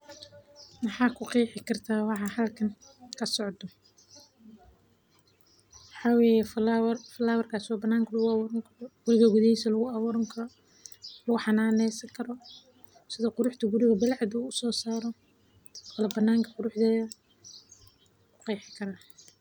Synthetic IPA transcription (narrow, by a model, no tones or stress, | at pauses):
mɑħɑːkʰʊqijħɪkʰɐrt̪ʰaːwɑħɑːhɐlkʰɐn | kʰɐsɔʕd̪ɔ | mɑħɑːweːjɛflwrfɐlaːwɐrkʰaːswɑːbɐnːaːŋkʰɐlʊɣʊɑwɔːɾɐŋkʰɐɔɡ̥ʊɾɪɣɐɡʊðɛsɐlʊɣʊɐβɔːɾɐŋkʰɐ | lʊɣʊħɑnaːnɛjsɐŋkʰɐɾɔ | sɪðɐqʊɾʊħt̪ʰɐɡʊɾɪɣɐbɪlʕɑd̪uːʊsɔːsaːɾɔ | kʰːlɐbɐnːaːŋkʰɐqʊɾʊħd̪ɛːjɐ | kʊqijħɪ̥kʰɐɾaː